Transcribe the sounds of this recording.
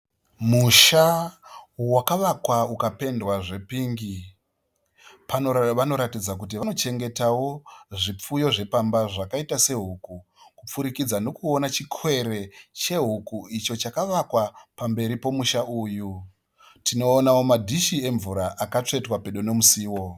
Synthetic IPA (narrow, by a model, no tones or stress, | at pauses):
muʃa | wakaʋakwaukape̞ndwaʐe̞piːŋɡi | panoʋano̞ɾatid͡zak̬ut̬iʋano̞t͡ʃe̞ŋɡe̞tawo̞ʐip͡fujo̞ʐe̞pambaʐakaitase̞ɦuku | kup͡fuɾikid͡zano̞kuo̞nat͡ʃikʰwe̞ɾe̞t͡ʃe̞ɦukuit͡ʃo̞t͡ʃakaʋakwapambe̞ɾipo̞muʃaʔuːju | tʰino̞ːnawo̞madʱiʃie̞ɱvuɾaʔakat͡ʂe̞twape̞ɗone̞musiːwo̞